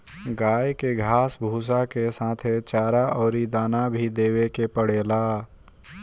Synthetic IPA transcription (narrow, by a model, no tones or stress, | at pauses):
ɡaːjkeɡʱaːsbʱuːs̬akesãːt̪ʰet͡ʃaːɾaʔɔːɾid̪aːnabʱid̪eːwekepəɽeːla